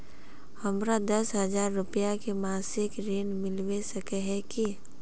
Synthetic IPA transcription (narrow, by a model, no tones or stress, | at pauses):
həmɾad̪əsɦəd͡ʒaːɾːʊpijakemaːsɪkɾeːnmɪlwesəkeɦɛki